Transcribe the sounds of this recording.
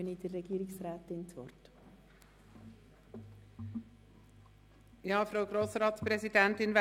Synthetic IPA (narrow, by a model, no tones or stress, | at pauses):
ənid̥ərːɛɡ̥iːɾɪksɾaːt̪ɪnt͡sʋɔ̰rt | jɑːfɾoʊɡɾoːsɾɑːt̪spɾɛzidɛnt̪ɪnvɛ